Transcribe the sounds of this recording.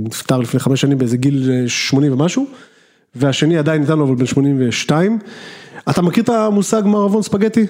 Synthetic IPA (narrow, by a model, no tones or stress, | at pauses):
nift̪aʁlifneχameʃanimbeezeɡilʃmo̞nimvemaʃu | veaʃe̞niad̪ajinːit̪̬anuavalbe̞nʃmo̞nimve̞ʃtaimatamakiʁt̪amusaɡmaʁavonspaɡet̪i